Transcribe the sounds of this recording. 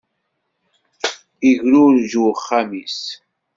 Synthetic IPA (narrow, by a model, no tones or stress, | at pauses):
iʝɾʊɾʒuwχːamis